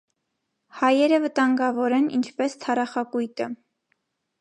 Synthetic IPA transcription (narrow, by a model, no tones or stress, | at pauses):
hɑjɛɾəvət̪ɑŋɡɑvɔɾɛnḭnt͡ʃʰpɛst̪ʰɑɾɑχɑkujt̪ə